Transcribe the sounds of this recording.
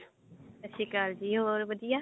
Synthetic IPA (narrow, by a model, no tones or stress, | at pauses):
ət͡ʃʰiːkaːld͡ʒiːɦoːɾbəd̪ijaː